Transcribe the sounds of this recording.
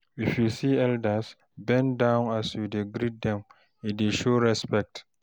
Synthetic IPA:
ifjusiːɛldas | bɛ̃ndãwnasjudeɡɾid̚dɛ̃m | ideʃoɹɛspɛk̚t

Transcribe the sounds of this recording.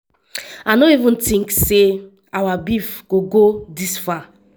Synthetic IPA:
anoivũntĩŋkse | awabifɡ̥oɡodisfa

